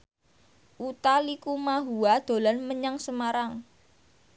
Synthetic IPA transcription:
ʔut̪alikumaɦuad̪̥o̤lanməɲaŋsəmaɾaŋ

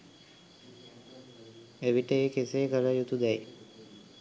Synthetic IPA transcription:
eʋiʈəeːkeseːkəɾəjut̪ud̪ɛj

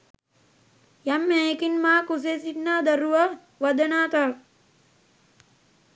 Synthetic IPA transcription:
jamːɛːekinmaːkus̬esid̪naːd̪ɐɾuʋɐ | ʋɐd̪ɐnaːt̪ak

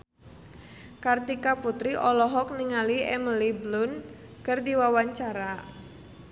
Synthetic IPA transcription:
kart̪ikaput̪ɾiʔɔlɔɦɔk̚niŋaliɛ̰məliblʊn | kɨrdiwawaɲt͡ʃaɾa

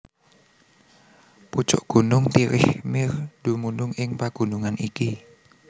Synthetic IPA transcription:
put͡ʃʊ̰ʔɡ̥ṳnʊŋt̪iɾɪhmɪrd̪̥umunʊŋɪŋpaɡ̥ṳnuŋaniki

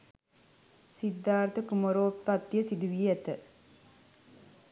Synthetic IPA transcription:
sid̪ːaːɾt̪əkumoɾoːppat̪ːjəsid̪uʋiɛt̪ə

